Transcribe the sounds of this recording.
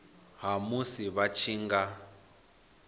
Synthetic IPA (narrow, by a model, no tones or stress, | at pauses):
ɦamusiβat͡ʃʰiːŋɡa